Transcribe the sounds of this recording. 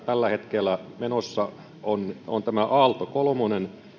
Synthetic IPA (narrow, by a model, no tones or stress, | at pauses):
t̪ælːæhet̪kelːˑæmenosːɑ | onont̪æmæʔɑːlt̪okolmonen